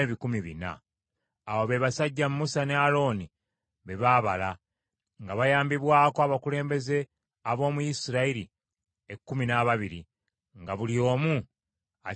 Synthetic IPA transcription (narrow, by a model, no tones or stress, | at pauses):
eβikumiβina̰ː | woβe̞βasaɟːamumusane̞alo̞ːni | βe̞βaːβa̰la | ŋɡaβajaːmbiβwaːkoaβakule̞ːmbe̞ze̞ | aβo̞ːmujisiɾaiɾi | ekːuminaβaβiɾḭ | ŋɡaβulio̞ːmu | a